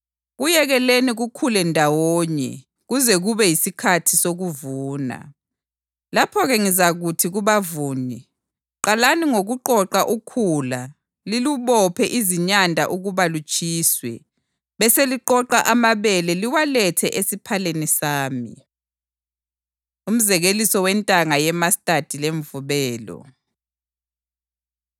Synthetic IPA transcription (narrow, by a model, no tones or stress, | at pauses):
ɣujɛɣɛleniɣukʰulɛndʱawoɲɛ̰ | ɣuzɛɣuβɛjisikʰatʰisoɣuvuːna̰ | lapʰɔɣɛŋizaɣutʰiɣuβavuːni | ǃalaniŋoɣuǃɔǃaʔukʰula | liluβɔpʰɛʔiziɲandʱa̰ʔuɣuβalut͡ʃʼiːswɛ | βɛseliǃɔǃaʔamaβɛlɛliwalɛtʰɛʔesipʰalenisaːmḭ | um̩zɛɣelisɔwɛntʼaŋajɛmastʼad̥ʱileɱvuβɛːlɔ̰